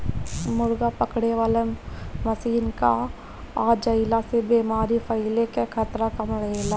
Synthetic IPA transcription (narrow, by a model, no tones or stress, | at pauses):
mʊɾɡapɐkɽeʋaːlemɐsiːnka̰ | aːd͡ʒɐɪlasebeːmaːɾifʰɐɪlekekʰət̪ɾakɐmɽɐelaː